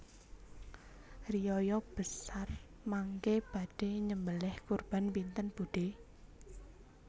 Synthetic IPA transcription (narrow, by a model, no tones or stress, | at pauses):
rijɔjɔb̥ə̤sar | maŋkeb̥a̤d̥e̤ɲəmbəlɪhkurb̥a̤npint̪ənb̥uɖ̥e